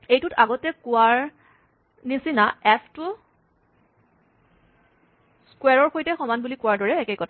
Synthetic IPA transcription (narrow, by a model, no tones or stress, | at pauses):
ejtutaɡɔtɛkʊwaɹ | nisinaɛpʰtʊ | skwɛɹɔɹxojtɛxɔmanbulikʊwaɹdɔɹɛːkejkɔtʰ